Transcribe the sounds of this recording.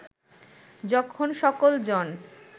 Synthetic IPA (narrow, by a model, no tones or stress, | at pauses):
d͡ʑɔkʰonʃɔkold͡ʑɔn